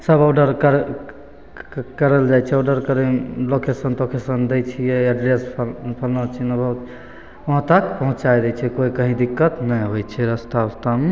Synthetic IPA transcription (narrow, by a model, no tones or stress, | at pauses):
səbɔɖəɾkəɾ | kəɾəld͡ʒajt͡ʃʰɛɔɖəɾkəɾelokesənt̪okesənd̪ɛt͡ʃʰijɛɛɖɾesppʰəlnət͡ʃʰinəbʱət̪ | əɦt̪ək̚pəɦũt͡ʃajd̪ɛt͡ʃʰɛkoikə̃ɦĩd̪ikːət̪nəjɦot͡ʃʰɛɾəst̪aəst̪ame